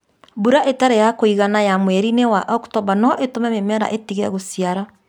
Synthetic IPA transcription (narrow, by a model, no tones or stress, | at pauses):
buɾaʔetaɾejakoiɣanajamwɛɾinewaʔɔktɔβanɔʔetomɛmemɛɾa̰ʔetiɣɛɣosiaɾa